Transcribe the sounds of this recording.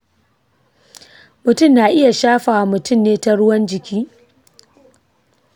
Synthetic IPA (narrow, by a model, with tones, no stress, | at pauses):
mʊ˨tʊ˦˨mnaː˨ʔɪ˦ja˨ʃaː˦ɸaː˨wmʊ˨tʊ˦˨mneː˦ta˦ɽʊ˦wɐ˦nd͡ʒɪ˨kʲiː˦